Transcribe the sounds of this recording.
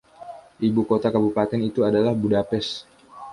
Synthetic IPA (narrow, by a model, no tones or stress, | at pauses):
ʔibukot̪akabupat̪ɛnit̪uadalahbudapɛs